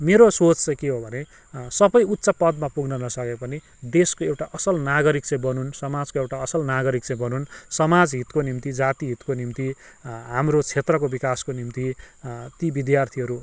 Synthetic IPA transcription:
meɾosot͡st͡sʌj̃keɦobʱʌne | sʌbʌjut̪ːsʌpʌd̪mapuɡnʌnʌsʌkepʌni | d̪eskoewʈaʔʌsʌlnaɡʌɾik̚t͡sʌ̃j̃bʌnunsʌmad͡zkoewʈaʌsʌlnaɡʌɾik̚t͡sʌ̃j̃bʌnunsʌmad͡zɦit̪konimt̪id͡zat̪iɦit̪konimt̪iɦamrot͡sʰet̪rʌk̬obikaskonimt̪it̪ibid̪jart̪ʰiɦʌɾu

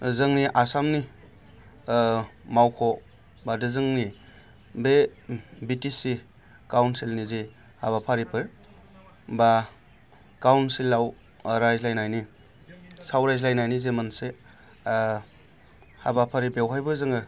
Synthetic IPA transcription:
zɯŋniʔasamni | mawkʰɔ | badɯzɯŋni | bebitisi | kawnsilnizi | habapʰaɾipɯɾ | ba | kawnsilːaw | ɾajzlajnajni | sawɾajzlajnajnizemanse | habapʰaɾibewɦajbɯzɯŋɯ

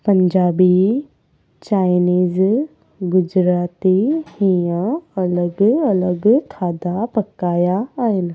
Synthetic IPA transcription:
pɐ̃ɲd͡ʒaːbi | t͡ɕaːɪniːz | ɡʊd͡ʒɾaːt̪ihijãɐləɡɐləɡkʰaːd̪apɐkaːjaːɦɪn̆

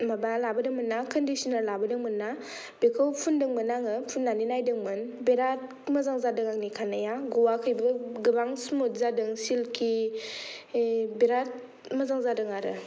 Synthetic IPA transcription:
mabalabɯdɯŋmɯnːakʰəndisinaɾlabɯdɯŋmɯnːa | bekʰɯwpʰundɯŋmɯnaŋɯpʰunːaninajdɯŋmɯnbeɾat̚ | mɐzaŋzadɯŋaŋnikʰanajaɡɔwakʰɯjbɯɡɯbaŋsmot̚zadɯŋsilkʰi | beɾat̚ | mɐzaŋzadɯŋaɾɯ̰

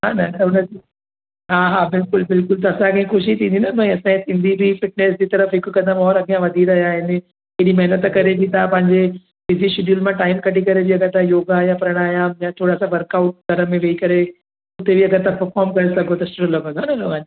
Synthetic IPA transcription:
ɦaːnɐt̪ɐʊnəi | ɦaːɦaːbɪlkʊlbɪlkʊlt̪̬ɐːsãkɐ̃ɦĩxoːʃ̬it̪ʰĩːnd̪inɐmɐ̃ɐsãsɪ̃nd̪ʱibʱifɪʈ̚neːs̬d͡ʑiːt̪ɐɾəfɦɪkkɐd̪əmɔːɾɐɡijãʋɐd̪ʱiɾɐɦijaːɦɪnɪ̆ | ɦɪɪɗimɐɦnət̪kɐɾebit̪ʰapɐ̃ɦɪ̃ɲd͡ʑe | fɪziʃʊɗjuːlmãʈaːɪmkɐʈikɐɾebʱiɐɡəɾt̪ʰãjoːɡaːɦjãpɐɾəɽ̃aːɦijãjãt̪ʰoːɽaːsãʋɐɾkaːʊʈ̚ɡʱɐɾə̆mẽʋeːikɐɾe | ʊt̪ebʱiɐɡəɾt̪ʰãpɐɾfɔːɾmkɐɾesɐɡʱot̪ɐʃʊɾloɡə̃ɡanɐnoãi

